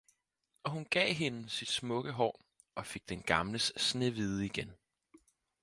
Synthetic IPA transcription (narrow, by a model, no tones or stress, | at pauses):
ɒ̽hunɡ̥ɛ̰ːɦe̝nsid̥smɔ̽ɡ̥əɦɒ̰ː | ɒ̽fe̝ɡ̥̚d̥enɡ̥ɑ̈mləsːne̝ʋið̞ˠəiɡ̥en